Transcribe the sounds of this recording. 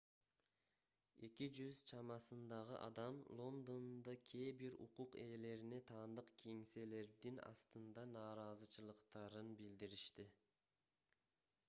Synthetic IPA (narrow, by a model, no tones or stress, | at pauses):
e̞kid͡ʒyzt͡ʃʰɑmɑsɯnd̪ɑʁɯʔɑ̰d̪ɑmlˠo̞nd̪o̞nd̪ɑkʲʰe̞ːbiɾṵquqe̞le̞ɾine̞t̪ʰɑːnd̪ɯqkʰeŋse̞le̞ɾd̪inɑ̰st̪ɯnd̪ɑnɑːɾɑzɯt͡ʃɯlˠɯqt̪ɑɾɯnbild̪iɾiʃt̪i